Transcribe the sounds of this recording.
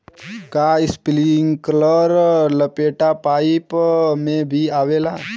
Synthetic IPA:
kaɪspliŋkləɾləpeːʈapaːɪpmẽbʱiaːʋelaː

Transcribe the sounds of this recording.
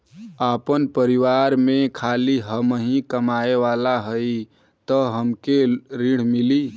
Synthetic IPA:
aːpənpəɾiʋaɾmẽkʰaːliɦəmɦĩkəmaeʋalaɦəi | t̪əɦəmkeɾiɽ̤mili

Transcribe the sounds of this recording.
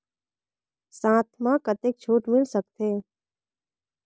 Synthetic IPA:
sãːt̪ʰmãkət̪ek̚t͡ʃʰoːʈmɪlsək̚t̪ʰeː

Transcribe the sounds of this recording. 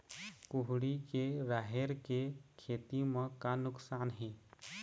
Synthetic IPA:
kuɦɽikeɾaɦeɾkekʰeːt̪imə̃kanʊksaːnɦẽː

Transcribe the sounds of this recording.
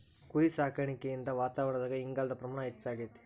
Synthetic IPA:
kuɾisaːkɐɾɐɳikːejind̪ɐʋaːt̪aːʋɐɳɐd̪aːɡɐiŋɡaːld̪ɐpɾɐmaːɳɐɦet͡ʃːaːɡijɐt̪ːi̥

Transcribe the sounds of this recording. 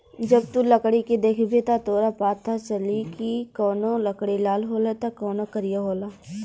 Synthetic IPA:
d͡ʒɐbt̪uləkɽiked̪eːkʰbet̪at̪oːɾapaːt̪ʰːat͡ʃɐlikikɔːnoləkɽilaːlɦoːlet̪akɔːnokɐɾɪjaɦoːlaː

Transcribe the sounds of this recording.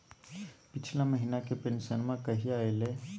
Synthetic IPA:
pɪt͡ʃʰlaməɦinakepẽnsənmãkəɦiaːelẽ

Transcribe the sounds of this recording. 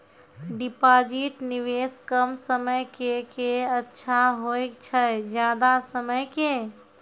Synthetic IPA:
ɖɪpaːd͡ʒiʈnɪʋeːskəmsəməjkekeətːʃʰaɦoːet͡ʃʰəd͡ʒjaːd̪asəməjke

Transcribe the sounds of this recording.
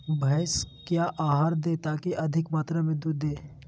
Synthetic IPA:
bʱɐːskjaːʔaːɦaːɾd̪eːt̪aːkiʔɐd̪ʱɪkmaːt̪ɾamẽd̪ud̪eː

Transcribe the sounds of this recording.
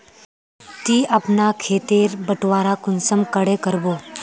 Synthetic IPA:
t̪iːʔapnakʰeːt̪eːɾbəʈʋaːɾakʊnsəmkəɽekəɾboː

